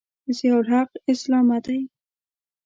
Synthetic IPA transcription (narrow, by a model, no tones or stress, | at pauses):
zjawɾaqɪslɑmad̪aj